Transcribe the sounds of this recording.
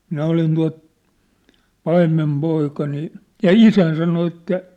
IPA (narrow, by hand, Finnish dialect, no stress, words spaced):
minæ olin tuɑ̝t pɑimːempoikɑ niː jɑ isæin sɑno etːæ